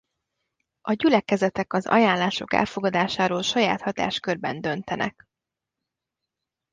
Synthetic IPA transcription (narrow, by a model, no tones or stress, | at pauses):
ʔɒɟylɛkɛzɛt̪ɛkɒzɒ̰jaːnlːaːʃo̞̰kɛ̰lfo̞ɡɒd̪aːʃaːɾoːlʃɒjaːt̪hɒt̪a̰ːʃkørbɛnd̪ø̞nt̪ɛnʔɛ̰k